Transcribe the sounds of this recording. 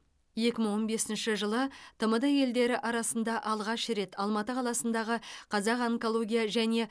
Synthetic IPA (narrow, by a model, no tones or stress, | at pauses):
je̞kʲɪməɴwo̞nbe̞sɪnʃɪʒəlˠət̪ʰəməd̪ɑje̞ld̪e̞ɾɪʔɑɾɑsənd̪ɑʔɑlˠʁɑʃɾe̞t̪ʰɑlˠmɑt̪əqʰɑlˠɑsənd̪ɑʁəqʰɑzɑqɑŋkolˠo̞ɡʲijɑʒæne̞